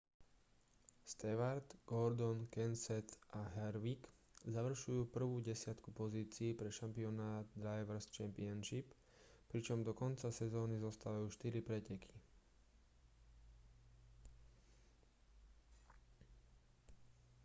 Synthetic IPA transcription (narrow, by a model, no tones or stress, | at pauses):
st̪ɛʋaɾd̪ɡ̥ɔɾd̪ɔnkɛnsɛt̪ʔaɦɛɾʋikzaʋr̩ʃujuːpr̩ʋuːɟɛsɪat̪kupɔziːt͡siːpɾɛʃampiɔnaːd̪d̪ɾajʋɛɾst͡ʃɛmpianʃip | pɾit͡ʃɔmd̪ɔkɔnt͡sasɛzɔːnizɔst̪aːʋajuːʃt̪iɾipɾɛcɛkʰi̥